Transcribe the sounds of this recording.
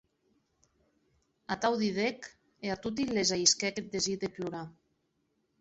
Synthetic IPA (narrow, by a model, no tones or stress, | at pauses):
at̪awðiðek | eat̪ut̪̬ilːezaiskɛked̪eziðepluɾa